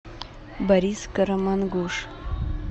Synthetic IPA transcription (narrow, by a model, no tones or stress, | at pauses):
bɐɾʲiskəɾɐmanɡuʂ